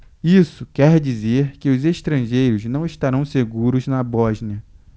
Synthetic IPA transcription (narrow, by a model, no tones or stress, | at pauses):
isʊkɛɾd͡ʒizeɾkɪʊzeʃt̪ɾɐ̃ʒejɾʊznɐ̃w̃ɪʃt̪aɾɐ̃w̃seɡuɾʊznɐbɔʒniɐ